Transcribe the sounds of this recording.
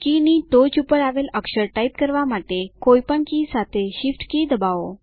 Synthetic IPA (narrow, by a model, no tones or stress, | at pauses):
kinit̪ot͡ɕupəɾaʋeləkɕəɾʈaip̚kəɾʋamaʈ̪ekojpəɳkisat̪eɕifʈkiːd̪əbaʋo